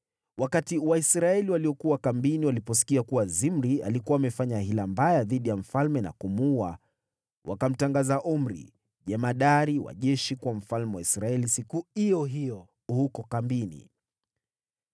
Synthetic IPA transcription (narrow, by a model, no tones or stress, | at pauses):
wakatiwaisɾaɛliwaliɔkuwakambiniwalipɔsi̥kiakuwazimɾia̰likuwaːmɛfaɲaɦilambajaðiɗijam̩falmɛna̰kumua | wa̰kam̩taŋɡazaʔum̩ɾḭ | ʄɛmaɗaɾiwa̰ʄɛʃikwam̩falmɛwaisɾaɛlisikuijɔɦijɔ | hukɔkambinḭ